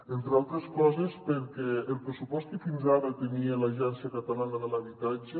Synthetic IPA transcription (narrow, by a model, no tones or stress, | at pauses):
ent̪ɾealˠt̪ɾeskɔzespəɾkɛːlˠpɾəsupɔst̪ifinzaβat̪əniələʒɛnsjəkat̪alanəðələβit̪ad͡ʒə